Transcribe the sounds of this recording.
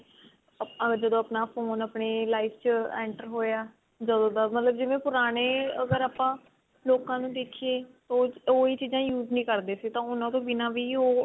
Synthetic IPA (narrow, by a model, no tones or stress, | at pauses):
əɡd͡ʒəd̪õːəpnaːfʰoːnəpɳeːlaːift͡ʃəɛ̰̃ːɳʈəɾɦoːjaː | d͡ʒəd̪õːd̪aːmət̪ləbd͡ʒɪʋẽːpʊɾaːɽ̃eːəɡəɾaːpãː | loːkãːnũːd̪eːkʰieːt̪ooːiːt͡ʃiːd͡ʒãːjuːznĩːkəɾd̪eːsiːt̪ãːʊnãːt̪õːbɪnãːʋiːoː